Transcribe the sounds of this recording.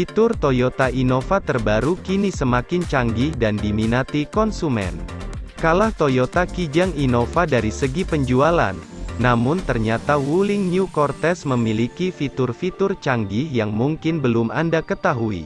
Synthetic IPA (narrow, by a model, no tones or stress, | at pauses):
fit̪ʊrt̪ojot̪aʔinofat̪ərbaɾukinisəmakɪnt͡ʃaŋɡɪhdandiminat̪ikɔnsumɛ̰nkalaht̪ojot̪akid͡ʒaŋinofadaɾisəɡipəɲd͡ʒuala̰nːamʊnt̪ərɲat̪awulɪŋɲukɔrt̪ɛsməmilikifit̪ʊrfit̪ʊrt͡ʃaŋɡɪhjaŋmuŋkɪnbəlʊmʔa̰ndakət̪aɦuḭ